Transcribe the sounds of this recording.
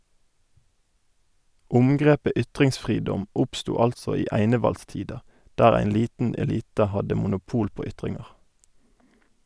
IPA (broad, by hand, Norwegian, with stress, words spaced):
ˈʊmɡʁeːpə ˈʏtʁɪŋsˌfʁiːdɔm ˈʊpstuː ˈɑltsɔ ˈiː ˈæɪnəʋɑlˌstiːdɑ ˈdæːʁ ˈæɪn ˈliːtn ɛˈliːtə ˈhɑdə mʊnʊˈpuːl ˈpoː ˈʏtʁɪŋʁ̩